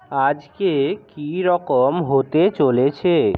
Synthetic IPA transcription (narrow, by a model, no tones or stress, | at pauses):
ad͡ʑkekiɾɔkomɦot̪et͡ɕolet͡ɕʰe